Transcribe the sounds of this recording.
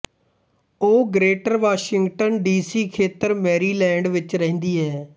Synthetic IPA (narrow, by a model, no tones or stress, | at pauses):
oːɡɾeːʈəɾʋaːʃɪŋɡʈənɖiːsiːkʰeːt̪əɾmɛːɾiːlɛ̃ːɳɖʋɪt͡ʃɾə̃ɦːnd̪iːɦɛː